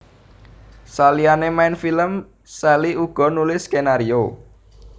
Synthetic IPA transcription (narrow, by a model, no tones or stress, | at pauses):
salianemaɪnfiləm | sɛliuɡ̥ɔ̤nulɪskenaɾio